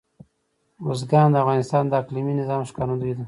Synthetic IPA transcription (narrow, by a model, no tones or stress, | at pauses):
us̬ɡɑnd̪əafɣɑnɪst̪ɑnd̪əakliminɪzɑmʃkɑnad̪uid̪ə